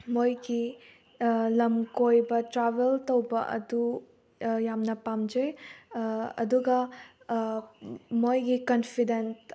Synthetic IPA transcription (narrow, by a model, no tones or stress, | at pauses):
mojɡi | lɐmkojbɐtɾabeltowbɐʔɐ̰du | jamnɐpamd͡ʒej | ɐ̰duɡɐ | mojɡikɐnpʰidens